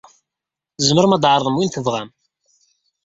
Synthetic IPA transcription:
zməɾəmæd̪ʕəɾˤðˤəmwinθəvʁæm

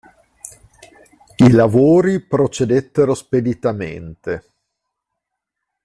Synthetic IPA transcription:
ilavoːɾipɾot͡ʃed̪et̪ːeɾosped̪it̪amḛnt̪e

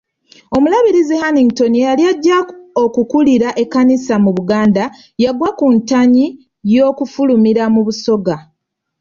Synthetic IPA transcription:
o̞mulaβiɾizihaniŋɡto̞nijaljaɟːaokukuliɾaʔe̞kːanisamuβuɡaːnda | jaɡwakuntaɲi | jo̞ːkufulumiɾamuβuso̞ɡa

